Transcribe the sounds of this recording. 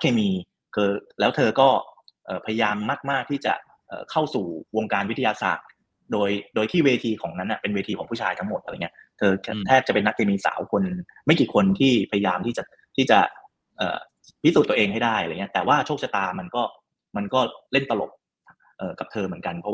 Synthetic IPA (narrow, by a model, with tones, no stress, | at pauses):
na˦˥kʰːeː˧miː˧ | kʰɤː˧lɛː˦˥wt̪ʰɤː˧kɔː˥˩ʔɤː˨˩pʰa˧ja˧jaː˧mːa˥˩k̚maː˥˩k̚t̪ʰiː˥˩t͡ɕa̰˨˩ | ʔɤ̰ː˨˩kʰa˥˩wsuː˨˩wo˧ŋkaː˧nwi˦˥t̪ʰːjaː˧sa̰ː˨˩t̪̚ | doː˧jdoː˧jt̪ʰiː˥˩weː˧t̪ʰiː˧kʰɔː˩˦ŋna˦˥nʔa˨˩pe˧nweː˧t̪ʰiː˧kʰɔː˩˦ŋpuː˥˩t͡ɕʰaː˧jt̪ʰa˦˥ŋmo˨˩t̪̚ʔŋi˦˥t̪ʰɤː˧t̪ʰɛː˥˩p̚a˨˩pe˧nːa˦˥kʰːeː˧miː˧sa̰ː˩˦wkʰo˧n | ma˥˩jkiː˨˩kʰo˧nt̪ʰiː˥˩pʰa˧ja˧jaː˧mt̪ʰiː˥˩t͡ɕa˨˩ | t̪ʰiː˥˩t͡ɕa̰˨˩ | ʔə̰ː˨˩ | pʰi˥su˨˩t̪ːu˧ʔeː˧ŋha˥˩jdaː˥˩jʔa˧a˧˨ŋi˦˥ɐt̪ɛː˨˩waː˥˩t͡ɕʰo˥˩k̚sa˧t̪aː˧ma˧nkɔː˥˩ | ma˧nkɔː˥˩le˥˩nt̪a˧lo̰˨˩p̚ | ʔɤː˨˩ka˨˩p̚t̪ʰɤː˧mɯ˩˦ənka˧npʰɔ˦˥w